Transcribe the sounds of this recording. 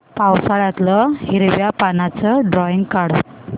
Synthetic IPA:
pawsaɭat̪ləhiɾʋjapanat͡səɖɾɔiŋɡkaɽɔ

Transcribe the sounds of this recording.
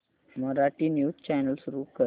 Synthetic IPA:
məɾaʈinjuːt͡ɕajnəlsuɾuːkəɾ

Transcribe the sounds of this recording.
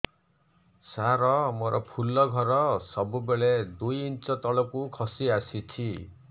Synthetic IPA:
saɾɔmoɾʔɔpʰulɔɡʱɔɾɔsɔbubeɭed̪ujint͡ʃɔt̪ɔɭɔkukʰɔsiasit͡ʃʰi

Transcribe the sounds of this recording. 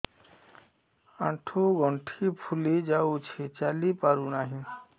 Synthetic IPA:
aʈʰuɡɔɳʈʰipʰulid͡ʑawt͡ɕʰet͡ɕalipaɾunaɦĩ

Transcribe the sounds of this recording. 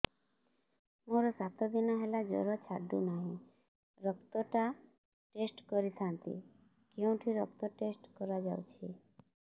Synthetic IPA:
moɾɔsat̪ɔd̪inɔɦelad͡ʒɔ̰ɾɔt͡ʃʰaɖṵnaɦĩ | ɾɔkt̪ɔʈa | ʈesʈkɔɾit̪ʰant̪ḭ | keũʈʰiɾɔk̚t̪ɔʈesʈkɔɾad͡ʒa̰wt͡ʃʰi

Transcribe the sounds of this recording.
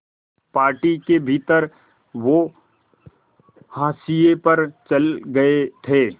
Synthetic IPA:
paːɾʈikebʱiːt̪əɾ | ʋo | haːsijepɐɾt͡ʃɐlɡɐet̪ʰeː

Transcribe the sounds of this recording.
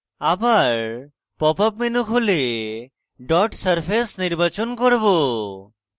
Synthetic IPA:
abaɾ | pɔpapmenukʰɦule | ɖɔʈsəɾpʰesniɾbat͡ʃonkoɾbo

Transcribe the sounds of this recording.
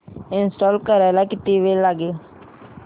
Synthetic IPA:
ɪnsʈɔːlkəɾaːlaːkɪt̪iʋeːlaɡeː

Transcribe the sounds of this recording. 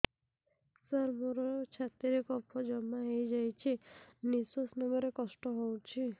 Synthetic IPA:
saɾmoɾɔɾt͡ʃʰat̪iɾekɔpʰɔd͡ʒɔmːaɦejd͡ʒajt͡ʃʰinisosnɔɡɔɾekɔsʈɔɦowt͡ʃʰi

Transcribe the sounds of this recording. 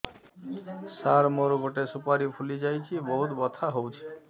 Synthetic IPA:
saɾmoɾoɡoʈesupaɾipʰulid͡ʒajt͡ʃʰibɔɦut̪bɔt̪ʰaɦowt͡ʃʰi̥

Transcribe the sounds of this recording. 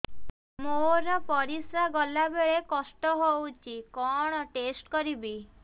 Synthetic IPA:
moɾɔpɔɾisɾaɡɔlabeɭekɔsʈɔɦowt͡ʃʰikɔɽ̃ɔʈesʈkɔɾibi

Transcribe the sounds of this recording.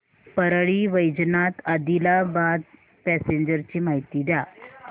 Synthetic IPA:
pəɾɭiːʋəjd͡ʑnat̪ad̪ilabad̪̚ | pæseɲd͡ʑəɾt͡ɕiːmaɦit̪iːd̪ja

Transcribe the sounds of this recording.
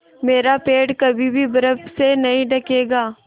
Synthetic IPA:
meːɾapeːɖkɐbʱibʱibɐɾəpsenɐɦĩɖɐkeːɡaː

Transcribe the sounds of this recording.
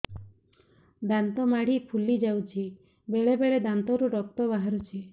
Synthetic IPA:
d̪ant̪ɔmaɽ̤ipʰulid͡ʒawt͡ʃʰi | beɭebeɭed̪ant̪ɔɾuɾɔk̚t̪ɔbaɦaɾut͡ʃʰi

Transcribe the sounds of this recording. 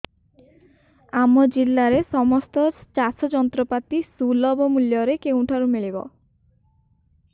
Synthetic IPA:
amod͡ʑilːaɾesɔmɔst̪ɔt͡ʃasɔd͡ʒɔnt̪ɾopat̪isulɔbomuljoɾekewuʈʰaɾumeɭibɔ̰

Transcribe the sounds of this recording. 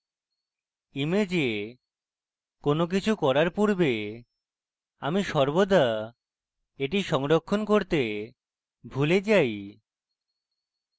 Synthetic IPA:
imed͡ʑe | konok̬it͡ɕʰukɔɾaɾpuɾbe | amiʃɔɾbod̪ʱa | eʈiʃɔŋɾokʰːonkoɾt̪e | bʱuled͡ʑaj

